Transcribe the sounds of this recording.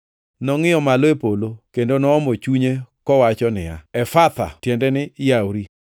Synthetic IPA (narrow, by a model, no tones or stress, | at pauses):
nɔŋɪɔmalepolokendonɔːmɔt͡ʃuɲekɔwat͡ʃɔnɪ̰ja̰ɛfat̪a̰tjɛndɛnɪjawɾi